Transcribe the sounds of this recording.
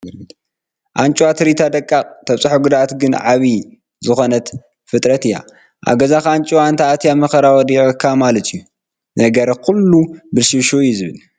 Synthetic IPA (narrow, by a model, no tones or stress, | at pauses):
ʔant͡ʃʼuwat̪ʰɨɾit̪ʰad̪ɐkʼːakʼt̪ʰɐβt͡sʼɨħoɡud̪aat̪ɡɨnʕaβi | zɨxo̞nɐt̪ | fɨt̪ʼɾɐt̪ɨjːa̰ | ʔa̰ɡɐzakant͡ʃʼwant̪ʰaat̪ʰijamɐxɐɾawɔd̪iʔkʰːamalɐt̪ʰijːu | nɐɡɐɾkʰulːubɨlʃiʃojːuzɨβɨl